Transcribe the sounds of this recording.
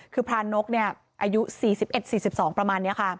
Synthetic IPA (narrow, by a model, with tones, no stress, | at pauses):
kʰɯː˧pʰɾaː˧nːo˦˥k̚ni˥˩ɐ | ʔaː˧ju˦˥siː˨˩si˨˩p̚ʔe˨˩t̪̚siː˨˩si˨˩p̚sɔː˩˦ŋpɾa˧maː˧nːi˦˥ɐkʰa˥˩